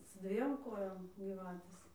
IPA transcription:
sʊ ˈdʲʋʲiɛm ˈkoːjoːm ɡʲiːˈʋɑːtʲeːs

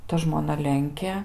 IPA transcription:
ˈtɐ ʒmoːˈnɐ ˈlʲɛŋʲkʲeː

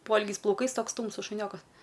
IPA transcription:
ˈpoːɪlʲɡʲɛɪs plˠɐʊˈkɐɪs ˈtoːks ˈtuːmsʊs ʃʊˈnʲoːkɐs

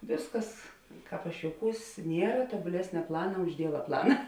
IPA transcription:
ˈʋʲeːsˌkɐs ˈkɑːp ɐʃ joːʊˈkuːs ˈnʲiɛrɐ tuɔbʊˈlʲæːsʲnʲɛ ˈplˠɑːnɐ ʊʃ ˈdʲiɛʋɐ ˈplˠɑːnɐ

